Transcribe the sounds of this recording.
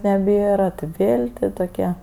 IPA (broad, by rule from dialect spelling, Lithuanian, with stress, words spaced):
nʲɛˈbʲeːrɐ tʲɪ ˈʋʲeːlʲ tʲɪ toːˈkʲɛ